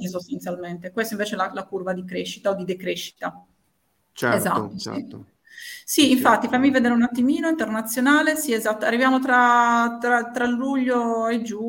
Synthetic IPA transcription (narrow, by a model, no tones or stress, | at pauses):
sost̪ant̪sjalment̪ekwest̪oĩɱveːt͡ʃɛlalakurvad̪ikɾeʃːit̪aod̪id̪ekɾeʃːi̥t̪a | t͡ʃɛ̰ɛza̰t̪ːo̰i | siːɱfat̪ːifamːivɛd̪eːɾeunat̪ːimiːnoint̪ɛrnat̪sːjonaːlesiɛzat̪ːoarːivjaːmot̪ɾat̪ɾat̪ɾalːuʎːoed͡ʒu